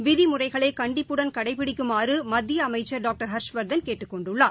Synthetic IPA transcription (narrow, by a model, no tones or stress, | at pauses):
ʋɪðimʊrɐɪɣɐɭeːkɐɳɖɪpːɯɽɐnkɐɽɐɪpɪɽɪkːɯmaːrɯmɐd̪ːɪjɐːmɐɪt͡ʃːɐɾɖaːk̚ʈɐɾɦɐɾʂʋɐɾd̪ɐnkeːʈːɯkːɔɳɖɯɭːaː